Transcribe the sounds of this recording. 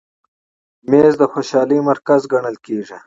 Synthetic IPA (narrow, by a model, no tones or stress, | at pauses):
meːzd̪əxoʃɑːlimaɾkazɡɐɳəlkeːʐa